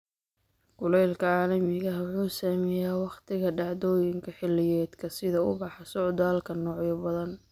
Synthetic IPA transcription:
ɡ̥ʊlɛjlkʰɐʕɑːlɐmɪɣɐwʊħuːsaːmɛjaːwɑχt̪ʰɪɣɐɖɑʕd̪ɔːjɪŋkʰɐħɪlːɪjɛːd̪kʰɐsɪðɐʊ̰bɑħɑsʊʕd̪aːlkʰɐnɔːʕjɐbɐðɐn

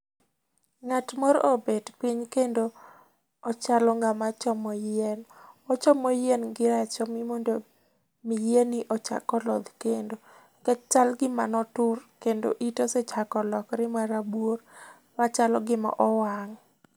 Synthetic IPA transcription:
ŋatmɔɾobedpiɲkendoː | t͡ʃalɔŋɡamat͡ʃɔmɔjɛnɔt͡ʃɔmojɛnɡɪɾat͡ʃɔmɪmondo | mijenɪʔɔt͡ʃa̰kɔlɔ̰d̪kendo | kɛt͡ʃalɡɪmanɔtʊrkendo̰ʔitoset͡ʃakɔlɔkɾɪmaɾabwor | mat͡ʃalɔɡɪmɔ̰ʔɔwaŋ

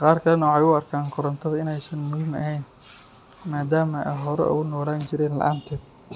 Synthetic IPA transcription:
qɑːrkʰɐlɛnɐwɑħɑjʊɐrkʰaːŋkʰʊɾɐnt̪ʰɐðɐɪnɛjsɐnmʊðɪnɐ̰ɦɛjn | maːd̪aːmɐʔɛ̰jɦɔɾɛ̰ʊ̰ɣʊnɔːlaːnt͡ʃɪɾɛːnlɐ̰ʔaːnt̪ʰɛːd̪

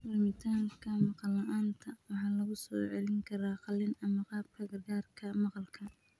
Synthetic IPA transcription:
mɐrmɪt̪ʰaːŋkʰɐmɑqɑlɐʔaːnt̪ʰɐwɑħɑːlɐɣʊsɔ̰ːʕɛlɪŋkʰɐɾaːqɑlɪnɐmɐqɑːb̚kʰɐɡɐrɡaːrkʰɐmɑqɑlkʰɐ

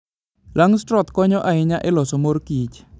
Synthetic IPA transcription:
laŋstɾɔt̪kɔɲɔʔaɪɲaʔɛlɔsɔmorkit͡ʃ

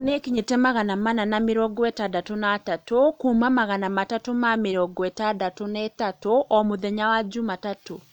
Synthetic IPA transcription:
nekiɲitɛmaɣanamananameɾɔɡɔɛtadatonatatokumamaɣanamatatomameɾɔɡɔɛtadatonɛtatoɔmoðɛɲawad͡ʒumatato

